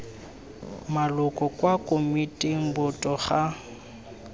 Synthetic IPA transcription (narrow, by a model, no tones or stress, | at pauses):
malʊkʼɔkʼwakʼomitʼeŋ̩bʊtʼɔχa